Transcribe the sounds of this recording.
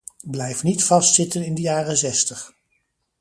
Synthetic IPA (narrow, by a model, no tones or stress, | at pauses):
blɛjfnitfɑstsɪtənɪndəjaːrənzɛstəχ